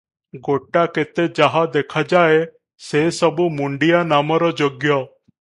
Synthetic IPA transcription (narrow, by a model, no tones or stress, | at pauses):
ɡoʈaket̪ed͡ʒaɦad̪ekʰad͡ʒae | sesɔbumuɳɖijanamɔɾɔd͡ʒoɡjɔ